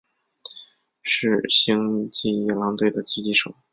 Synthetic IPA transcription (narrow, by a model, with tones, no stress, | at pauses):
ʂɻ̩˥˧ɕi˥ŋt͡ɕi˥˩ɛ˧˩lɑ˧˥ŋt̪we˥˩ɪd̪ə˩t͡ɕ̩˥t͡ɕi˥˩ʂo˨˩˦